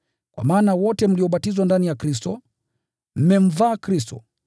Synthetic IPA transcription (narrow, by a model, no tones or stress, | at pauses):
kwa̰maːnawɔtɛm̩liɔɓatizwandanijakɾistɔ | m̩mɛm̩vaːkɾistɔ̰